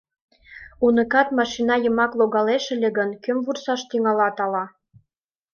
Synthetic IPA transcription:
unə̆kɑt̪mɑʃinɑjə̆mɑkloɣɑleʃĕlʲeɣənkømvursɑʃt̪iŋɑlɑt̪ɑlɑ

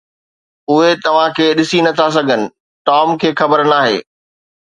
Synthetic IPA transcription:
ʊɦet̪ɐʋ̤ãkʰeːɗɪsinɐt̪ʰas̬ɐɡʱənɪ̆ | ʈɔːmkʰeːxɐbəɾnaːɦḛː

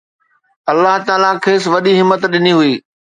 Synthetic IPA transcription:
ɐlːaɦt̪aːlakʰeːsʋɐɗiɦɪmːət̪ɗɪniɦʊiː

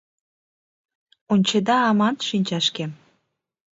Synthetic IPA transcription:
unʲt͡ɕed̪ɑːmɑnt̪ʃinʲt͡ɕɑʃkem

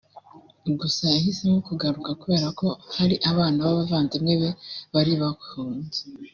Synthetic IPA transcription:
ɡusaihisimokuɡaɾukakuβe̞ːɾako̞haɾiʔaβaːnaβaβavaːnzemŋeβe̞βaɾiβakhuːnze̥

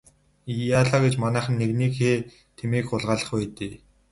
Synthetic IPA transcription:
ijaɮaɡet͡ɕmanæːχə̆nːeɣniːkxeː | t̪ʰemiːkʊɮʁaːɮə̆χpæːt̪eː

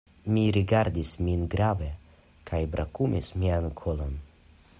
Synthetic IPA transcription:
miɾiɡaɾd̪isminɡɾave | kʰajbɾʔakumismiankʰolon

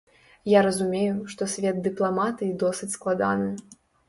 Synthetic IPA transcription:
jaɾɐzumʲejuʂt̪ɔsʲvʲɛd̪̚d̪ɨplˠamat̪ɨid̪ɔsɨt͡sʲsklˠad̪a̰nɨ

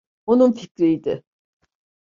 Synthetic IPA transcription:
onunficʲɾijd̪ɪ̰

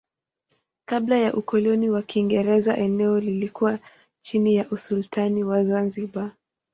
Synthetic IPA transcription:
kablajaʔukɔlɔniwakʰiŋɡɛɾɛza̰ʔɛnɛɔlilikuwa | t͡ʃinijaʔusultʰaniwazanziɓa

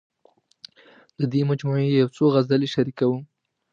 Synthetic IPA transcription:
d̪əd̪emad͡ʒmuejawt͡soɣazaleʃaɾikawu

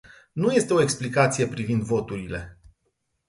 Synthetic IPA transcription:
nuje̞st̪e̞o̞e̞ksplikat̪sije̞pɾivind̪vo̞t̪uɾile̞

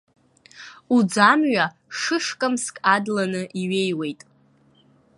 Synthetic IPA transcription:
ud͡zamɥa | ʂɨʂkʼamskʼadlanɨʔiɥe̞jwe̞jtʼ

